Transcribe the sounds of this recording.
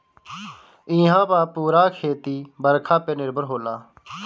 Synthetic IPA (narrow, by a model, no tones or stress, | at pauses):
ĩːɦãːpaːpuːɾaːkʰeːt̪iːbəɾkʰaːpeːnɪɾbʱəɾɦoːlaː